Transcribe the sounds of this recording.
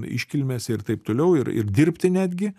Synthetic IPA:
ɪ̰ʃʲkʲɪlʲmʲeːsʲɪrt̪ɐɪpt̪oːlʲɛʊɪ̰ɾɪ̰rd̪ʲiɾʲpʲt̪ʲɪnʲæːd̪ʲɡʲɪ

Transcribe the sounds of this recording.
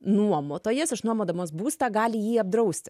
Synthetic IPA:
nuɔmoːt̪oːjeːsɐʃnuɔmoːd̪ɐmoːs̬buːst̪ɑːɡɑːlʲɪjiːɐb̚d̪ɾɐʊsʲt̪ʲɪ

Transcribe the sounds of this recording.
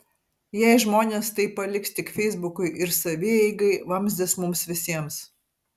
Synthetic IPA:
jɛɪʒmoːnʲeːst̪ɐɪpːɐlʲɪksʲt̪ʲɪkfʲɛɪzbʊkʊɪʔɪɾsɐʋʲɪɛɪɡɐɪʋɐmʲzʲd̪ʲɪsmʊmsʋʲɪsʲiɛms

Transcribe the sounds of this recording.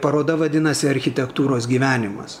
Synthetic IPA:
pɐɾoːd̪ɐʋɐd̪ʲɪnɐsʲɪɐɾʲxʲɪt̪ʲɛkt̪uːɾoːsɡʲiːʋʲæːnʲɪmɐ̰ss

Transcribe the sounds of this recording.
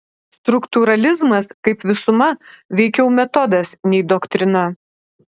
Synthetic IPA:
st̪ɾʊkt̪uɾɐlʲɪzmɐskɐɪpʋʲɪsʊmɐʋʲɛɪkʲɛʊmʲɛt̪ɔd̪ɐsnʲɛɪd̪ɔkt̪ʲɾʲɪnɐ

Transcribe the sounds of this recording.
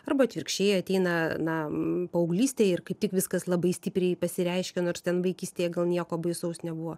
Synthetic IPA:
ɐrbɐɐt̪ʲʋʲɪrʲkʃʲt͡ʃʲeːjɛɐt̪ʲɛɪnɐnɐpɐoʊɡlʲiːsʲt̪ʲeːjɪrkɐɪp̚t̪ʲɪkʋʲɪskɐslˠɐbɐɪsʲt̪ʲɪpʲɾʲɛɪpɐsʲɪɾʲɛɪʃʲkʲɛnoːrst̪ʲɛnʋɐɪkʲiːsʲt̪ʲeːjɛɡɐlˠnʲiɛkoːbɐɪsɐʊsnʲɛbuʋoː

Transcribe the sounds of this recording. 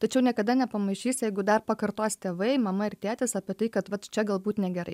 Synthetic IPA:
t̪ɐt͡ʃʲɛʊnʲiɛkɐd̪ɐnʲɛpɐmɐɪʃʲiːsʲjɛɪɡʊd̪ɐrpɐkɐɾt̪oːst̪ʲeːʋɐɪmɐmɐɪɾt̪ʲæːt̪ʲɪsɑːpʲɪt̪ɐɪkɐt̪ʋɐt̪t͡ʃʲɛɡɐlˠbuːt̪nʲɛɡʲɛɾɐ̰ɪ

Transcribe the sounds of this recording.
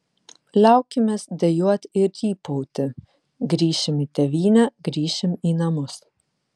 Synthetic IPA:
lʲɛˑʊkʲɪmʲeːsd̪ʲɛjuɔt̪ʲɪɾjiːpɔʊt̪ʲɪ | ɡɾʲiːʃʲɪmiːt̪ʲɛʋʲiːnʲɛɡɾʲiːʃʲɪmiːnɐmʊs

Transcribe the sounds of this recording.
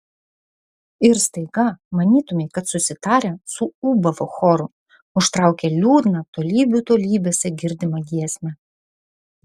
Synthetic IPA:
ɪɾst̪ɐɪɡɐmɐnʲiːt̪ʊmʲɛɪkɐt̪sʊsʲɪt̪ɑːɾʲɛsʊuːbɐʋoxɔɾʊ | ʊʃt̪ɾɑˑʊkʲɛlʲuːd̪nɐt̪oːlʲiːbʲut̪oːlʲiːbʲeːsʲɛɡʲɪɾʲd̪ʲɪmɐɡʲiɛsʲmʲɛ

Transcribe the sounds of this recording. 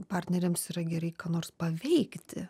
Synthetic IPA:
pɑrʲt̪ʲnʲɛɾʲeːmsiːɾɐɡʲɛɾɐɪkɑːnoːrspɐʋʲɛɪkt̪ʲɪ̰

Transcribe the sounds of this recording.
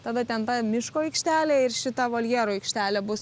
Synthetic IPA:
t̪ɑːd̪ɐt̪ʲɛnt̪ɐmʲɪʃkoːɪkʃʲt̪ʲæːlʲeɪrʃʲɪt̪ɐʋoːlʲjɛɾoːɪkʃʲt̪ʲæːlʲɛbʊs

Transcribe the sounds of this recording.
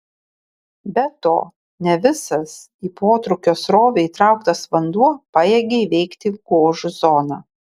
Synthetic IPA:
bʲɛt̪o̰ː | nʲɛʋʲɪsɐs | iːpoːt̪ɾʊkʲoːsɾoːʋʲɛiːt̪ɾɑˑʊkt̪ɐsʋɐnd̪uɔpɑjeɡʲeiʋʲɛɪkt̪ʲɪɡ̥oːʒʊzɔːnɑː

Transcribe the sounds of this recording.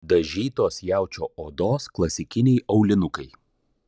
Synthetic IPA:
d̪ɐʒʲiːt̪oːsjæˑʊt͡ʃʲoːʔoːd̪oːsklˠɐsʲɪkʲɪnʲɛɪɐʊlʲɪnʊkɐɪ

